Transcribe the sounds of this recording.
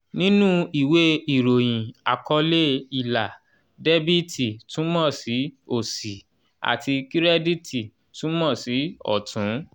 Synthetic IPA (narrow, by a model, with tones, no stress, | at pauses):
nĩ˦nũ˦i˦˨we˦i˨ɾo˨j̃ĩ˨a̰˨kɔ˧le˦i˨la˨ | de˦bi˦ti˨tʰũ˨˦mɔ̃˦˨si˨˦o˦˨si˨ | a̰˨ti˧ki˦ɾɛ˦di˦tʰi˨ | tũ˨˦mɔ̃˦˨si˨˦ɔ̰˦˨tʰũ˨˦